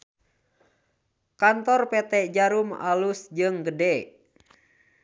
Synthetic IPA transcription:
kant̪ɔrpɛt̪ɛd͡ʒaɾuma̰lusd͡ʒɨŋɡədɛ

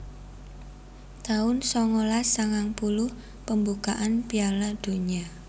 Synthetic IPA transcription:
t̪aʊnsɔŋolasaŋaŋpulʊh | pəmbukaʔanpialad̪̥o̤ɲa

